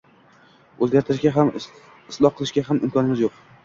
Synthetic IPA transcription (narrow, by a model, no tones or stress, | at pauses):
ɵzɡʲaɾt̪ʰɾɪʃɡʲaɦam | ɪslˠɒhqʰːɨlˠɪʃɡʲaɦamɪmkʰʲɒnɪmɪzjoq̚